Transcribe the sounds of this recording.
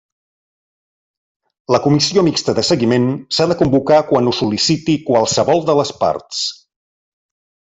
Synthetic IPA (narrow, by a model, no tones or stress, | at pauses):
ləkumisiomikst̪əðəsəɣimensaðəkumbukakwanusulisit̪ikwalˠsəβɔlˠd̪ələspa̰ɾt̪s